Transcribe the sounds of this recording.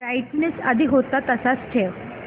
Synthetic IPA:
ɾajʈnesəd̪ʱiɦot̪at̪əsat͡st͡ɕʰe

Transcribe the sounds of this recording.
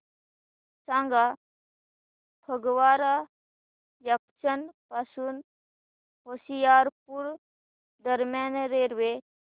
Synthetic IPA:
sãŋɡa | pʰəɡʋaːɾa | jɐk̚t͡ʃənpasun | ɦoːsijaːɾpuɾ | d̪əɾmjaːnɾeɾʋe

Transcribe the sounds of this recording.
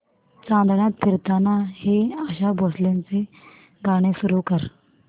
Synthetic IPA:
t͡ʃãːnd̪ɽ̃ãːp̪ʰɪɾt̪aːnãːɦeaːʃaːboːslɪnseː | ɡaːɽ̃eːsʊɾuːkəɾ

